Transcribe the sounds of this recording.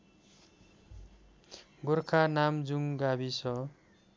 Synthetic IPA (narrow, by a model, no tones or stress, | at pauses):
ɡorkʰanamd͡zuŋɡabisʰʌ